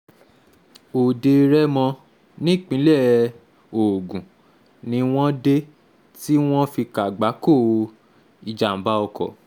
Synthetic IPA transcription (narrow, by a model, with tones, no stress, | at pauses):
o˨de˧ɾɛ˦mɔ̃˧ | nĩ˦˨k͡pĩ˨˦lɛ˦˨ | o˨ɡũ˨ | nĩ˧˦w̃ɔ̃˦de˦ | ti˦w̃ɔ̃˦fi˧ka˨ɡ͡ba˨˦ko˦˨˧ | i˧d͡ʒa˨m̩˨˦ba˦ɔ˧kɔ̰˨